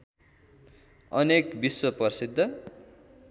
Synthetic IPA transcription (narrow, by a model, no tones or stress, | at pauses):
ʌnekbiswʌpʌrsid̪ʱːʌ